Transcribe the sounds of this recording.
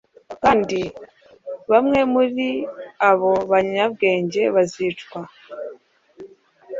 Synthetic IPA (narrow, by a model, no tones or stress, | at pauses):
kaːndi | βamŋe̞muɾiaβo̞βaɲab̚ɡe̞ːɲɟe̞βaziːt͡ʃkwa